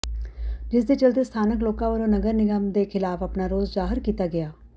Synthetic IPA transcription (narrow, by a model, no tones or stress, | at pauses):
d͡ʒɪs̬d̪et͡ʃəld̪est̪ʰaːnəkloːkãːʋəɾõːnəɡəɾnɪɡəmd̪eːkʰɪlaːfɐpnaːɾoːzzaːɦəɾkiːt̪aɡɪjaː